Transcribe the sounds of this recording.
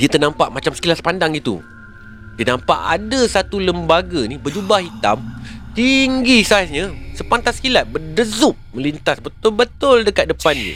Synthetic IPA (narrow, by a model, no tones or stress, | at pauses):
diət̪ənampaʔmat͡ʃamsə̥kilaspandaŋit̪ṵ | diənampa̰ʔa̰dəsat̪uləmbaɡanibəd͡ʒubaɦit̪a̰mt̪iŋɡisasɲãsəpant̪askilat̪̚bədəzup̚mə̃lint̪asbət̪ʊlbət̪ʊldəkat̪̚dəpanjṵ